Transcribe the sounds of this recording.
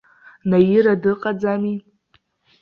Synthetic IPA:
najiɾadɨqʼad͡zami

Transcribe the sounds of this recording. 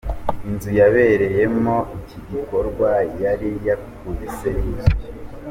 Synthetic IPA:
inzujaβe̞ɾe̞je̞mo̞iciɟiko̞ɾɡwajaɾijakkuɾiseiz

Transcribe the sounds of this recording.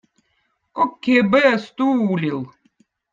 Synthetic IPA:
kʼɔkʲʰːebɨɐst̪ʼuːlʲilˠ

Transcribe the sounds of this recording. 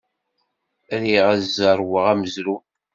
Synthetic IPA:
ɾiʁæzəɾˤwəʁæməzɾu

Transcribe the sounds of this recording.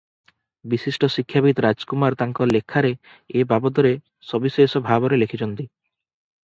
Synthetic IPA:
bisisʈɔsikʰːjabit̪ɔɾad͡ʒkumaɾt̪aŋkɔlekʰːaɾe | ebabɔd̪ɔɾe | sɔbisesɔbʱabɔɾelekʰit͡ɕɔnt̪i

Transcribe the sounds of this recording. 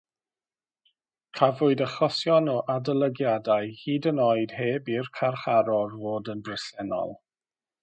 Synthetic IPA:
kʰavʊɨdəχɔsjɔnɔʔadəlˠəɡjadaɨhiːdənɔɨd̥heːbirkʰarχaɾɔrvoːdəndɛsɛnɔ̰lˠ

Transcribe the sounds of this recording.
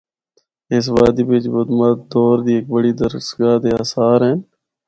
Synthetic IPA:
ɪs̬ʋaːd̪iːbet͡ʃbod̪maːd̪ɔːɾd̪iːeːk̚bəɽiːd̪əɾsəɡaːd̪eːaːsaːɾɦɛːn

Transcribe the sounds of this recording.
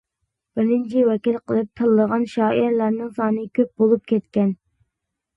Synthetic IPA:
b̥ɪɾnɪnt͡ʃʰɪwɛkʲilˠqəlˠɨp̚t̪ʰɨlˠːəʁɑnʃɑːiɾlæɾnɪŋsɑnɨkʲʰøp̚bolˠup̚kʲʰɛt̪kʲɛn

